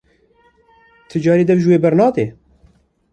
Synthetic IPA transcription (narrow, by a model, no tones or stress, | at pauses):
t̪ʰɨd͡ʒɑːɾiːd̪ɛvʒweːbɛɾnɑːd̪eː